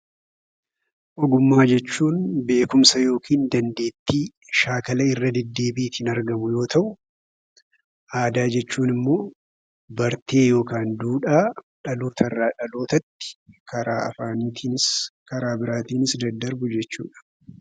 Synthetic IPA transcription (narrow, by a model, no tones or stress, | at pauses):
ʔɔɡʊmːaːd͡ʒɛt͡ʃːuːnbe̞ːkʊmsɐjo̞ːkiːnd̪ɐnd̪e̞ːt̪ːiː | ʃaːkɐlɐɪrːɐd̪ɛd̪ːe̞ːbiːt̪ɪnɐɾɡɐmʊjo̞ːt̪ʰɐʔʊ | ʔaːd̪aːd͡ʒɛt͡ʃːuːnɪmːo̞ː | bɐɾt̪e̞ːjo̞ːkaːnd̪uːᶑaː | ᶑɐloːt̪ɐrːaːᶑɐloːt̪ɐt̪ːɪ̥kʰɐɾaːɐfaːnɪt̪ʰiːnɪskɐɾaːbɪɾaːt̪iːnɪsd̪ɐd̪ːɐɾbʊd͡ʒɛt͡ʃːṵːᶑɐ̥